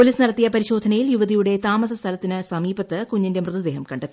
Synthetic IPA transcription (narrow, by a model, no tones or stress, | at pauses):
poliːsnɐɽɐt̪ːijɐpɐɾiɕo̞ːd̪ʱɐnɐjiljuʋɐðijuɽe̞t̪aːmɐsɐst̪ʰɐlɐt̪ːinɨsɐmiːbɐt̪ːɨkuɲːindemrɨðɐd̪eːɦɐmkɐɳɖet̪ːii